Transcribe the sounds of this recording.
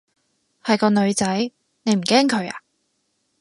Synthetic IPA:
hɐ˨jkɔː˧nɵ˨˧ɥt͡sɐ˨˥j | ne˨˧jm̩˨˩kɛː˥ŋkʰɵ˨˧ɥa̰ː˧˨

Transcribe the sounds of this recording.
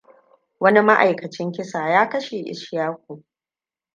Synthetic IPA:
wɐ˦ni˦ma˦ʔa˨jkɐ˨t͡ʃɪ˦ŋkʲɪ˦saː˨jaː˦kɐ˦ʃe˨ʔɪ̰˨ʃjaː˦kʷu˨

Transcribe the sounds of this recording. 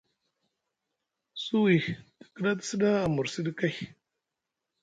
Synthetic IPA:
su˦wi˨tə̥˨kə˦ɗa˦ti̥˦si˦da˦a˨mu˨ɾsi˦di˦ka˦j

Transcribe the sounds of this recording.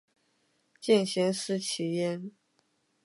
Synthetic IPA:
t͡ɕjɛ˥˩nɕɛ˧˥nʂ̩˥t͡ɕʰi˨˥jɛ˥n

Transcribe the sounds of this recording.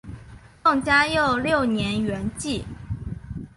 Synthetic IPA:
tɤ˥˩ŋt͡ɕja˥jo˥˩ʊljo˥˩ʊnjɛ˧˥nɥɛ˧˥nt͡ɕi˥˩

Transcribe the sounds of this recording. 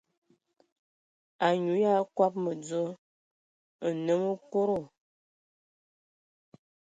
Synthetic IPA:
a˨ɲu˨˦ja˦kwa˦p̚mə˨d͡zo˦ | ə˨nə˨˦mə˦ko˦ɾo˦˨

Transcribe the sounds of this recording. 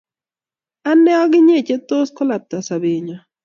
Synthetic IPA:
a˦nɛ˦ɔ˦ɡɪ˦ɲe˦˨t͡ʃe˦t̪o˦skɔ˦la˨t̪a˨sa˨be˨ɲɔ˨

